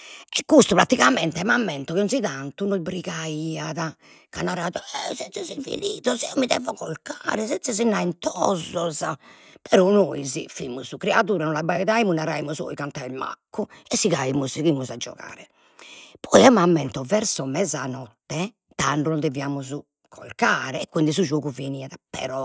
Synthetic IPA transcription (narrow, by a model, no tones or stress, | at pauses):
ɛkːust̪upɾat̪iɣamɛnt̪ɛmamːɛnt̪ɔkiɔnsiðant̪unobɾiɣaiːaða | kanːaɾaːðɔɛzɛnsɛziɱfḭliːðɔziɔmiðɛ̰ːvɔɣɔlkaːɾɛzɛsɛzinːaint̪ɔzːɔza | pɛɾɔnoizifimuzukɾɛaðuːɾanɔnlabaɛðaimunaɾaimuzɔ̰ikant̪aɾɛlma̰kːuɛsːiɣaimuzɣimːuzad͡ʒːɔ̰ɣa̰ːɾɛ | pʰɔjɛmamːɛnt̪ɔvɛɾsɔmɛzanɔt̪ːɛ | t̪aɳɖunɔnd̪ɛviaːmuzu | kʰɔlkaːɾɛɛkːind̪isud͡ʒoːɣuveniːaðapɛ̰ɾɔ